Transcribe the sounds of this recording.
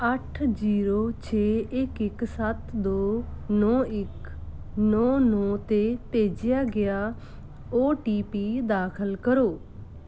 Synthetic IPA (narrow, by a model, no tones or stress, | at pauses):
əʈʰd͡ʒiːɾoːt͡ʃʰeːɪkɪksət̪d̪oːnɔːɪk | nɔːnɔːt̪eːpeːd͡ʒɪjaːɡɪjaː | oːʈiːpiːd̪aːkʰəlkəɾoː